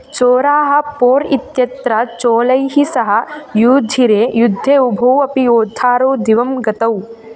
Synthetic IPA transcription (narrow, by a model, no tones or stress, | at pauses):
t͡ʃoːɾaːɦɐ̆poːɾit̪jɐt̪ɾɐt͡ʃoːlɐjɦisɐɦɐ̆juːd̪ʱiɾeːjud̪ʱːeːubʱɐwɐpijoːd̪ʱaːɾoːd̪iʋɐmɡɐt̪ɐw